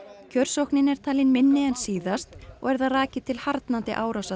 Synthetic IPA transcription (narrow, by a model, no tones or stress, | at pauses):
cʰœɾ̥sowhknɪnɛɾ̥t̪ʰaːlɪnmɪnːɪɛnsiːðast̪ɔ̰ɣɛɾðaraːcɪt̪ʰɪlhaɾt̪nant̪ɪ̰ʔaːwɾawsa